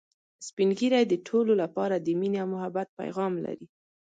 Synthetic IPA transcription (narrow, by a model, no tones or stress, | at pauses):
spinɡiɾajd̪əʈʰololapɑɾad̪əmineawmʊɦabat̪̚pa̰jɣɑmla̰ɾi